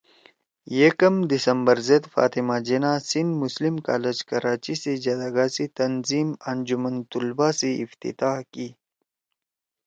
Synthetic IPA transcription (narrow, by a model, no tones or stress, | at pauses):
jekɐmd̪isɐmbəɾzɐd̪fa̰ːt̪imaːd͡ʑenasind̪muslimka̰ːled͡ʑkɐɾaːt͡ʃised͡ʒɐd̪aɡaːsit̪ɐnziːmɐnd͡ʒumɐnt̪ulbaːseift̪ḭt̪aːhki